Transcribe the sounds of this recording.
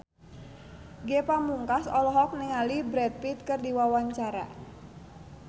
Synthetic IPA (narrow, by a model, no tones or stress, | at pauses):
ɡepamuŋkasɔlɔɦɔk̚niŋalibɾɛt̪̚pit̪̚kərdiwawaɲt͡ʃaɾa̰